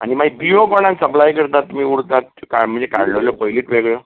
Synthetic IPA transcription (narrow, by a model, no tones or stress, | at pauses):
a̰ñimaibiokɔɽ̃ãksəplajkəɾt̪at̪ːumiːuɽt̪at̪̚kam̤əɳd͡zekaɾloljopɔjliʈʋeɡɭjə